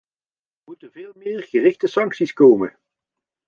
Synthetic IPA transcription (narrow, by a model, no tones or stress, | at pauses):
əmutənvɪːlˠmɪːrɣərɪxtəsɑŋksiskowmə̰